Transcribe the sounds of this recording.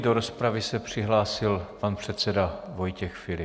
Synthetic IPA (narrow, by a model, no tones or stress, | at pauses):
doɾo̞spɾavɪsɛpr̝̥ɪɦlaːsɪlpanpr̝̥ɛt̪sɛdavo̞jcɛxfɪlɪ